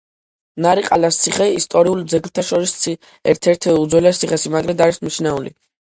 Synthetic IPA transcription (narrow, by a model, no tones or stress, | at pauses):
naɾiqʼalast̪sʰiχɛist̪ʼɔɾiulˠd̪zɛɡlt̪ʰaʃɔɾist̪sʰi | ɛ̰ɾt̪ʰɛɾt̪ʰud̪zwɛlast̪sʰiχɛsimaɡɾɛd̪aɾismit͡ʃʰnaulḭ